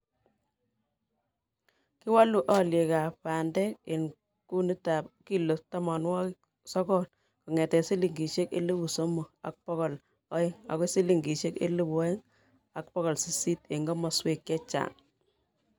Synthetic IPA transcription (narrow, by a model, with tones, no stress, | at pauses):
ki˦wa˦lu˨ʔɔ˦lje˨ka˨pa˨ndɛ˦k̚e˨n | ku˦nu˦ta˨p̚ki˦lo˨tɔ˦mɔ˨nwɔ˦k | sɔ˦kɔ˦n | kɔ˨ŋɛ˨tɛ˨si˦li˨ŋɡi˨ʃe˦kḛ˦li˦bu˨so˦mo˨a̰˨k̚pɔ˦ɣɔ˨l | ɔ˦ɪ˦ŋa̰˨ko˦si˦li˨ŋɡi˨ʃe˦kḛ˦lu˦bu˨ɔ˦ɪ˦ŋ | a˨k̚pɔ˦ɣɔ˨lsi˨si˦te˨ŋɡɔ˦mɔ˨swe˨kjɛ˦t͡ʃa̰˨ŋ